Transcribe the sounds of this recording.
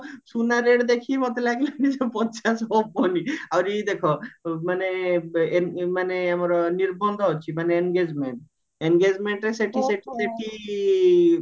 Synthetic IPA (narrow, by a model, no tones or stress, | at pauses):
sunaɾeɽd̪ekʰimot̪elaɡlanid͡ʒepɔt͡ʃasɦɔbɔniawɾied̪ekʰɔmaneenmaneamɔɾɔniɾbɔnd̪ʱɔɦot͡ʃʰimaneenɡed͡ʒmeɳʈ | enɡed͡ʒmeɳʈɾeseʈʰiseʈʰi̥seʈʰi